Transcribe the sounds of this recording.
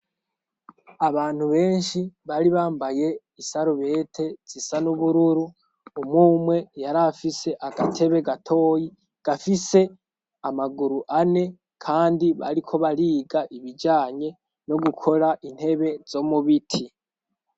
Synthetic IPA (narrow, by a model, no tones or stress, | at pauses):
aβaːn̥huβe̞ːnʃiβaːɾiβaːmbaje̞ | isaɾoβe̞tʰe̞z̥isanuβuɾuɾuː | muːmwe̞jaɾafise̞ʔaɡatʰe̞βe̞ɡatʰo̞ːji | ɡ̥afise̞ | amaɡuɾuʔane̞ | kʰaːndiβa̰ɾikʰo̞βaɾiːɡaʔiβid͡ʒaːɲe̞ | no̞ɡukʰo̞ɾaʔin̥he̞βe̞z̥o̞muβitʰi